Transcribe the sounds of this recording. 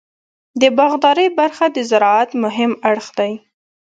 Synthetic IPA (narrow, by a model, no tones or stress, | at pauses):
d̪əbɑɣd̪ɑɾəjbaɾxad̪əzaɾɑat̪mʊɦɪmaɽxd̪aj